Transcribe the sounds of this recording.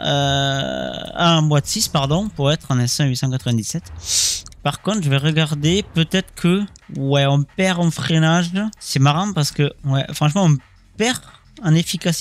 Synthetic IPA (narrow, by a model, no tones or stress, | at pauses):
ø | amwad̪əsispaʁd̪ɔ̃puʁɛt̪χɑ̃nɛ̃sɛ̃ɥisɑ̃kat̪χəvɛ̃d̪isɛt̪ | paʁkɔ̃t̪χʒəvɛʁəɡaʁd̪epøt̪ɛt̪χə̥kʰəwɛɔ̃pɛʁɑ̃fχenaʒsɛmaʁɑ̃paʁsə̥kəwɛfχɑ̃ʃmɑ̃ɔ̃ | pɛʁ | ɑ̃nefikas